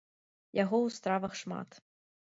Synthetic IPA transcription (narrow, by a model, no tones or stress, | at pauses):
jaɣɔwst̪ɾavɐxʂma̰t̪